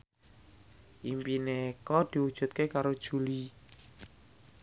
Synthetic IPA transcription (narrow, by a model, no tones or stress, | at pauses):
ʔimpinekɔd̪̥i̤wud̥ʒ̥ṳt̪̚kekaɾod̥ʒ̥ṳli